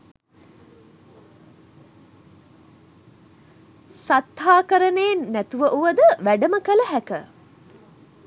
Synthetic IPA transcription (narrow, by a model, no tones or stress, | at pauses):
sat̪haːkəɾənenːæt̪uʋəʔuʋəd̪əʋæɖəməkələɦækə